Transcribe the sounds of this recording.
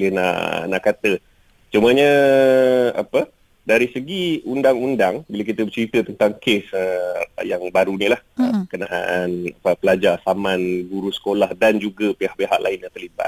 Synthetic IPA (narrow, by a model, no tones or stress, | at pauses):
ləna̰ʔnaʔkat̪ə | t͡ʃuməɲə̃ | a̰pə | daɾisəɡiundaŋundaŋbilak̬it̪əbət͡ʃəɾit̪ət̪ənt̪aŋkesəjaŋbaɾunilahə̰pəkənaʔa̰ʔanapəpəlad͡ʒarsamanɡuɾusə̥kolahdand͡ʒuɡəpehaʔpeɦa̰ʔlʔa̰ɪnɲãt̪ərliba̰t̪